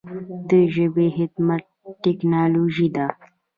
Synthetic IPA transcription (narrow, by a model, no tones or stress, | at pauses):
d̪əʒəbeɦɪt̪mat̪̚ | ʈːeknɑːloʒid̪a